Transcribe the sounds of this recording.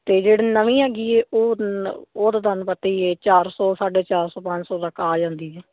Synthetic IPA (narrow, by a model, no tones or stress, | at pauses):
t̪eːd͡ʒeːɽiːnəʋĩːɦɛːɡiːɛːʔoːoːd̪aːd̪ənpət̪iːɛːt͡ʃaːɾsɔːsaːɖeːt͡ʃaːɾsɔːpə̃ɲd͡ʒsɔːt̪əkʰːaːd͡ʒãːnd̪iːɛː